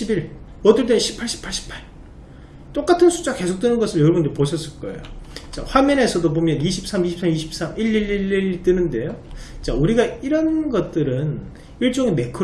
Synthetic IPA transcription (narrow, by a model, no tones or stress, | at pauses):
ibiɭ | ʌdɯɭt̬͈eɕʰi̥pʰaɭɕʰi̥pʰaɭɕʰi̥pʰaɭ | t͈ok͈atʰɯnsʰu̥t͡ɕ͈aake̞sʰok̚t͈wenɯnɡʌsʰɯɾjʌɾʌbundɯɭpoɕʰʌs͈ɯɭk͈ʌḛjot͡ɕa̰ɸwamjʌne̞sʰʌdop̬omjʌniɕʰip̚s͈ʰamiɕ̬ʰip̚s͈ʰamiɕʰi̥p̚s͈amʔiʎːiɭiɭːiɭt͈ɯnɯnde̞jot͡ɕauɾiɡaiɾʌnɡʌt̚t͈ɯɾɯn | iɭt͡ɕ͈oŋeme̞kʰɯ